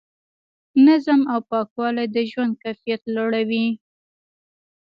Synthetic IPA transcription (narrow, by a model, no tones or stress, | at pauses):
nazamawpɑkwɑlajd̪əʒwand̪̚kajfijat̪laɽawi